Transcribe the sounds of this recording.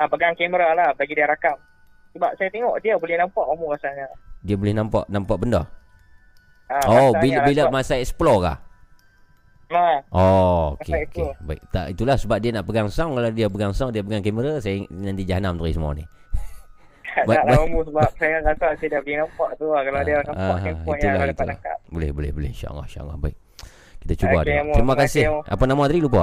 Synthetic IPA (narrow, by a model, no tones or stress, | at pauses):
apəɡaŋkeməɾalahbaɡidiəɾakam | səbap̚sajat̪eŋɔʔdiəbolɪhnampaʔumukasalɲadiəbolɪhnampa̰ʔnampaʔbəndɔ | aoabilbilamasaɛsə̥ploka̰h | aʔoo̰aeakebaik̚t̪a̰ʔit̪ulahsəbap̚dianaʔpəɡaŋsaŋkaladiapəɡaŋsaŋdiapəɡaŋkɛməɾasajanãnt̪id͡ʒaɦanamt̪uɾisəma̰nḭ | abaaʔlumbusəbap̚sajaŋkakaʔsadiaəkinapaʔt̪uakaladianaaaɦpɔiʔ̪ulaait̪ala̰ka̰ʔbolɪhbolɪ̰hbolɪ̰ʃa̰ʔŋa̰ʃa̰ʔŋa̰hbaik̚ | kit̪at͡ʃubadmɾimakasɪa̰panamat̪adilupa